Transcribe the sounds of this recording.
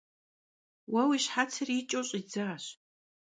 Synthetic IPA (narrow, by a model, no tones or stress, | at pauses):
wɐwiɕħat͡sʰɨrit͡ʃʼowɕʼid͡zaːɕ